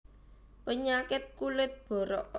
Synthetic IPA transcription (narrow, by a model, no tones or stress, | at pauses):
pəɲakɪt̪̚kulɪt̪̚b̥ɔ̤ɾɔ